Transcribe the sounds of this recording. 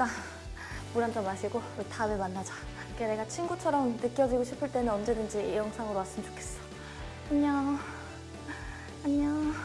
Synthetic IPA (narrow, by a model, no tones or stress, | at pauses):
t͈a | muɾand͡ʑomaɕʰiɡoɯtʰabemanːad͡ʑa | kene̞ɡat͡ɕʰinɡut͡ɕʰʌɾʌmnɯk͈jʌd͡ʑiɡoɕʰipʰɯɭt͈e̞nɯnʌnd͡ʑe̞dɯnd͡ʑijʌŋsʰaŋɯɾmas͈ɯmd͡ʑo̥kʰe̞s͈ʌ̥ | aɲa | aɲa